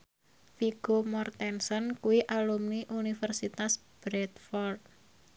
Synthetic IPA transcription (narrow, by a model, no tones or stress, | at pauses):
fiɡ̥omɔrt̪ɛnsɔnkuwiʔalumniʔunifərsit̪as | b̥ɾɛt̪fɔrt̪̚